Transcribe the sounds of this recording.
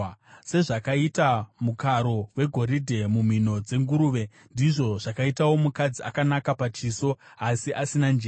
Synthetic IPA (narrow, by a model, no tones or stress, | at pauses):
se̞ʐakaitamukaɾo̞we̞ɡʱoɾidʱe̞mum̤ino̞d͡ze̞ŋɡuɾuːʋe̞ | ndiʐo̞ʐakaitawo̞mukad͡zia̰kanakapat͡ʃiso̞asiʔasinand͡ʒeː